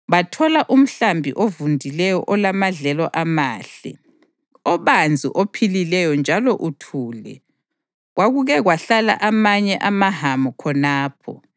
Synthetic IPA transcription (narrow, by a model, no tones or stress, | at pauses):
βatʰɔlaʔum̩ɬambʱiʔovundʱilɛjɔ̰ʔɔlamaɮɛlɔʔamaːɬɛ̰ | ɔβand͡zʱḭʔopʰililɛjɔnd͡ʒʱalɔʔutʰuːlɛ̰ | ɣwaɣuɣɛɣwaɬala̰ʔamaɲɛʔamaɦamɔkʰɔnaːpʰɔ̰